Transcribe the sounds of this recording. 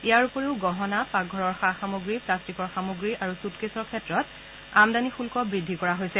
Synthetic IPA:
ijaɹupɔɹeʊɡɔɦɔnapak̚ɡʱɔɹɔɹxaxamoɡɹiplastikɔɹxamoɡɹiʔaɹusutkesɔɹkʰɛtɹɔt | amdanixulkɔbɹidʱːikɔɹaɦojsɛ

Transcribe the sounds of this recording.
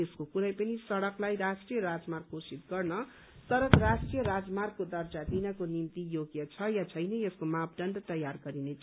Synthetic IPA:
eskokuɾʌjpʌnisʌɽʌklajɾasʈrijʌɾad͡zmarɡkosit̪ɡʌrnʌ | sʌɾʌkrasʈrijʌɾad͡zmarɡ̚kod̪ʌrd͡zad̪inʌkonimt̪ijoɡjʌt͡sʰʌjat͡sʰʌjnʌeskomap̚ɖʌnɖt̪ʌjarɡʌɾinet͡sʰ

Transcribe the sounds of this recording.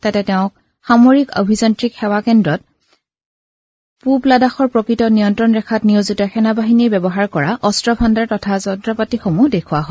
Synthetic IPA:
tatɛtɛʊ̃k̚ | xamoɹiko̰bʱizɔntɹikxɛwakɛndɹɔt̚ | publadaxɔɹpɹokɹitɔnijɔntɹɔnɹɛkʰatniozitɔxɛnabaɦinijbɛbɔɦaɹkɔɹaʔɔstɹɔpʰandaɹtɔtʰazɔntɹɔpatixomudekʰuwaɦɔ

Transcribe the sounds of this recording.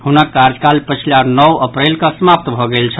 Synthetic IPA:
ɦunakːaɾd͡ʒkalpət͡ʃʰilanɔwəpɾelkə̃səmap̚t̪bʱɔɡelt͡ʃʰə

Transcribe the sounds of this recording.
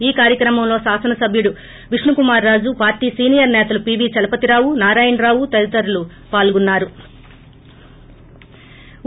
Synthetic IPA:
iːkaːɾjɐkɾɐmɐmlo̞ːsaːsɐnɐsɐbʱjuɽu | ʋiʂɳukumaːɾːaːd͡ʒupaːɾʈiːsiːnijɐɾnɛːt̪ɐlupiːbiːt͡ʃɐlɐpɐt̪iɾaːwunaːɾaːjɐnɾaːwut̪ɐlit̪ɐɾulu | paːlɡunːaːɾu

